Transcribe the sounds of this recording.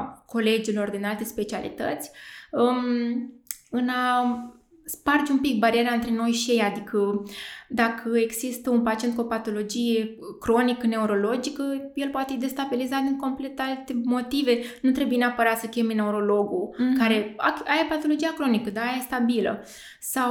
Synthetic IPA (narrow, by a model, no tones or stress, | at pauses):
ko̞le̞d͡ʒilo̞rd̪inalt̪e̞spe̞t͡ʃialḭt̪ə̰t̪sʲə | ɨna | spard͡ʒeumpik̚baɾieɾaɨnt̪ɾe̞no̞jʃije̞jad̪ikʰəd̪akʰəe̞ɡzist̪əunpat͡ʃient̪kuopat̪o̞lo̞d͡ʒije̞ | kɾo̞nikəne̞uɾo̞lo̞d͡ʒikəje̞lpoat̪eid̪e̞st̪abilizat̪̚d̪iŋko̞mple̞t̪alt̪emo̞t̪ive̞nut̪ɾebuje̞neapəɾat̪səkʲemene̞uɾo̞lo̞ɡukaɾe̞a̰aɾepat̪o̞lo̞d͡ʒijakɾo̞nikəd̪aajaest̪abilə̰ | saw